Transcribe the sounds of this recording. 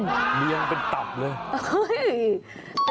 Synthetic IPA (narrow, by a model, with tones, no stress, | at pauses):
mi˧əŋpe˧nt̪a˨˩p̚lɤː˧jo˥j